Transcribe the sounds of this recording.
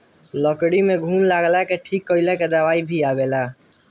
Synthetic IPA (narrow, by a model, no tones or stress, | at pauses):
ləkɽimeɡʱunlaɡlakeʈʰikːəɪlaked̪əʋaibʱiabela